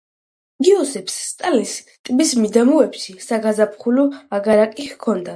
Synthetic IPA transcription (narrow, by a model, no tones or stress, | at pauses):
ɡiɔsɛpsːt̪ʼalis | t̪ʼbismid̪amuɛpʃisaɡazapʰχulɔaɡaɾakʼihkʰɔnd̪a